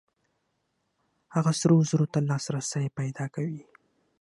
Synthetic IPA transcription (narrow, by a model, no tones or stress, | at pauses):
haɣasɾozəɾot̪alɑsɾasənepajd̪ɑkawi